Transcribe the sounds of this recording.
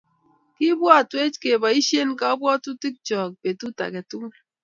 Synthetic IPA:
ki˦bwɔ˦a˨te˦t͡ʃke˨ba˨i˦ʃe˦nka˦ɔ˦bwɔ˦tu˦ti˦k̚t͡ʃɔ˨k̚be˨tu˦ta̰˨ke˨tu˦

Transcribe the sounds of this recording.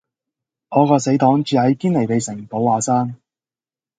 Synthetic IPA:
ʔɔː˨˧kɔː˧se˨˥t̪ɔː˨˥ŋt͡ʃyː˨˧hɐ˨˥jkiː˥nle˨jpe˨jsɪ˨˩ŋ˨po˨˥waː˨˧saː˥ŋ

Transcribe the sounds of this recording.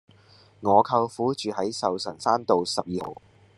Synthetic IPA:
ŋɔː˨˧kʰɐ˧wfuː˨˥t͡ʃyː˨hɐ˨˥jsɐ˨wsɐ̰˨˩nsaː˥mt̪o˨wsɐ˨p̚jiː˨˩ho̰˨w

